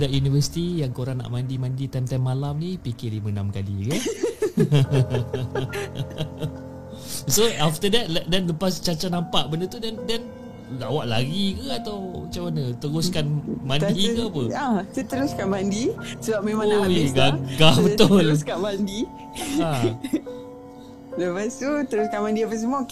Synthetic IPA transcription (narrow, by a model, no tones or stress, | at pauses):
daʔjunivəsi̥t̪ijaŋkoɾaŋna̰ʔmãndimãndit̪amt̪amːalamnipikelimənamkalḭkə | soaft̪ədɛt̪̚lɛdɛnləpast͡ʃat͡ʃanampaʔbəndət̪udɛndɛn | lawaʔla̰ɡikəat̪awmat͡ʃamanət̪əɾʊskanmandiəapəat̪ut̪əɾʊskanbandisəbap̚memaŋkeɡaɡahbəʊlkaʔbandi | a | ləpast̪ut̪əɾʊskanmãndiapəs̬əmua